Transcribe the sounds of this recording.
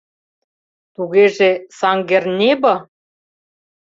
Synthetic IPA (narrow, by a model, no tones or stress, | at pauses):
t̪uɣeʒesɑŋɡernʲebɤ̆